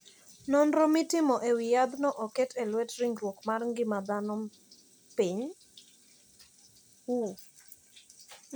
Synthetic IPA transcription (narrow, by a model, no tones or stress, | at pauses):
nɔnɾɔmitɪmɔʔɛwijad̪nɔʔɔkɛtʰɛlwɛtɾiŋɡɾwɔkmarŋɡɪmad̪anɔ | piɲ | wu